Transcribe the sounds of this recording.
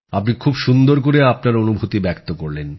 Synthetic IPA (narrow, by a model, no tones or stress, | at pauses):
apnikʰubʃund̪oɾkoɾeapnaɾonubʱut̪ibɛkt̪okoɾlen